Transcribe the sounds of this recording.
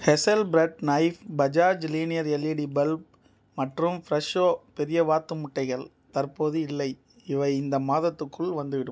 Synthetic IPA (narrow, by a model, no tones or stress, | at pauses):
hɛsɛlbɾɛʈ̚nɐɪfbɐd͡ʒaːd͡ʒliːnɪjɐɾɛlːiɽibɛlp | mɐʈrɯmfɾɐʂoːpɛɾɪjɐʋaːt̪ːɯmʊʈːɐɪɣɐɭ | t̪ɐrpoːðɯɪlːɐɪ | ɪʋɐɪɪnd̪ɐmaːðɐt̪ːɯkːɯɭʋɐnd̪ɯʋɪɽɯm